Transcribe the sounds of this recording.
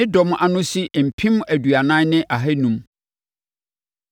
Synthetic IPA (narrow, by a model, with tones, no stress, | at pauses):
ɪ̃˦dɔ˨m˦ʔa˨nʊ̃˦si˦ʔm̩˨pʰĩ˦mæ˨dɥa˨nã˦nɪ̃˦ʔa˨ɦɛ˦nũ˨m